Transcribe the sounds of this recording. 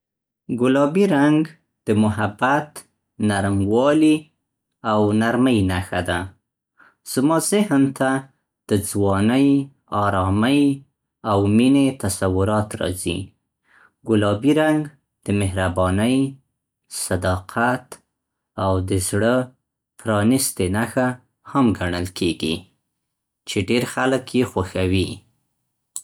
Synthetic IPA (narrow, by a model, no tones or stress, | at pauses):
ɡʊlɑbiɾaŋɡ | d̪̥əmʊɦabat̪ | naɾmwɑli | awnaɾməjnaxad̪a | z̥mɑzɪhnt̪a | d̪̥əd͡zwɑnəj | ɑɾɑməj | awminet̪asawʊɾɑt̪ɾɑ̰zḭ | ɡʊlɑbiɾaŋɡ | d̪̥əmɪɦɾabɑnəj | sad̪ɑqʰat̪ | awd̪əzɽə | pɾɑnist̪enaxa | hamɡaɳəlkʰeɡḭ | t͡ʃeɖeɾxaləkjexwaxawi